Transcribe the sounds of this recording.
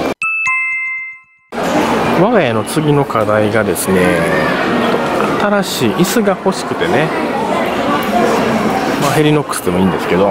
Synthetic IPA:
βaɡajano̞t͡sɨɡʲino̞kʰad̪aiɡad̪e̞sɨne̞ | t̪oat̪aɾaɕiːʔisɨɡaho̞ɕi̥kɯ̟̥t̪e̞ne | maɦe̞ɾʲino̞kːɯ̥sɨd̪e̞mo̞ĩːnd̪e̞sɨ̥ke̞d̪o

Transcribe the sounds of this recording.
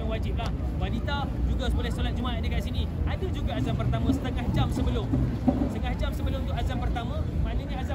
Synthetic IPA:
aŋwad͡ʒɪp̚lah | badit̪ad͡ʒuɡasəbolɛhsolat̪̚d͡ʒumaʔat̪̚dəkaʔsini | ʔadad͡ʒuɡaazampərt̪amãsə̥t̪əŋahd͡ʒamsəbəlʊmst̪əŋahd͡ʒamsəbəlʊ̃umnt̪ʊkʔazampərt̪amãmãnəɲaaza

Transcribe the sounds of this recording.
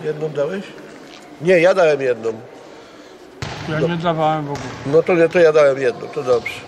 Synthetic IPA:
jɛd̪nɔ̃md̪awɛɕ | ɲɛjad̪awɛmjɛd̪nɔm | jaɲɲɛd̪avawɛmvɔɡulɛnɔt̪ɔɲɛt̪ɔjad̪awɛmjɛd̪nɔ̰̃mt̪ɔd̪ɔbʐɛ

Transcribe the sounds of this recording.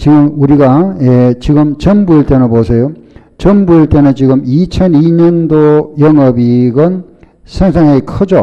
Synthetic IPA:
t͡ɕiɡɯmuɾiɡajet͡ɕiɡɯmt͡ɕʌmbuiɭt͈e̞nɯnposʰejo | t͡ɕʌmbuiɭt͈e̞nɯnt͡ɕiɡɯmit͡ɕʰʌniɲʌndojʌŋʌbiɡʌn | sʰeŋsʰaŋekʰɯd͡ʑo

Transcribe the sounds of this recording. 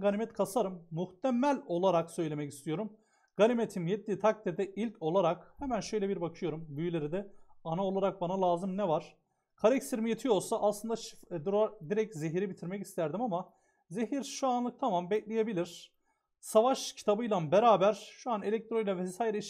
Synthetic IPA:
ɡalʲimɛt̪kʰasaɾɯmːuht̪ʰɛmælʲo̞lˠaɾaksø̞jlʲe̞mɛci̥st̪ʰijo̞ɾum | ɡ̥alʲimet̪ʰimjɛt̪̚ːiːt̪ʰak̚t̪ʰiɾd̪ɛʔilʲcʰo̞lˠaɾakhɛmænʃø̞jlʲɛbiɾbakʰɯjo̞ɾumbyjylʲe̞ɾid̪ɛanaolˠaɾak̚banalˠaːzɯmnɛvaɾ̥ | kʰalɛcst̪iɾmijet̪ʰijo̞lˠsaʔːslˠɯnd̪aʃd̪uɾad̪iɾɛc̚zeɦiɾibit̪ʰiɾmɛci̥st̪ʰæɾd̪imama | ze̞ɦiɾʃuanlˠɯk̚t̪ʰamambɛclʲeje̞bilʲiɾ̥ | savaʃcʰi̥t̪ʰabɯjlˠanbeɾaːbæɾʃuane̞lʲɛc̚t̪ʰɾo̞jlʲˠavɛsaːjiɾɛ

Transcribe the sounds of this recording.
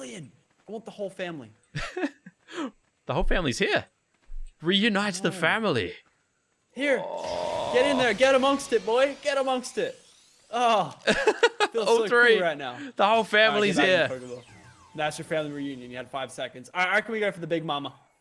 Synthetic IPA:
ljɨ̃n | aɪwɑ̃n̚ðəhoʊlˠfæ̃mlḭ | ðəhoʊlˠfæ̃mliz̥hiɹ | ɹijʉnaɪtsðɨfæ̃ml̩ˠḭ | hiɹ̥ | ɛɾɪ̃nðə˞ɡɛɾəmʌ̃ŋstɨt̚b̥ɔɪɡ̥ɛɾəmʌ̃ŋkstɪt̚ | o | filˠoʊθɹiɹaɪtⁿnaʊðəhoʊlˠfæ̃ml̩ˠizhiɹ | ðætsjə˞fæ̃mliɹijʉ̃njɨ̃njɨɨd̥faɪv̥sɛkɨ̃ndz̥aakn̩wiɡoʊfə˞ðəbɪɡ̚mɑmə

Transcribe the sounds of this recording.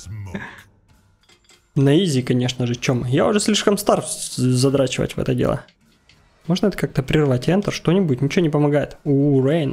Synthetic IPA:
nɐizʲɪkɐnʲeʂnəʐɨt͡ɕomjaʊʐɛsʲlʲiʂkəmst̪arzɐd̪ɾat͡ɕɪvə̰tʲvɛ̰t̪ədʲḛlˠə̰ | mo̞ʐnəɛt̪ə̥kak̚t̪əpɾʲɪrvatʲɛnt̪ərʂt̪o̞nʲɪbʊt̚ʲnʲɪt͡ɕɪnʲɪpəmɐɡajɪ̰t̪ʊrejn

